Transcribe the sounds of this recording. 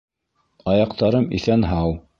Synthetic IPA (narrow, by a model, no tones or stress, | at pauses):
ɑjɑqt̪ɑɾɤmḭθænɦɑw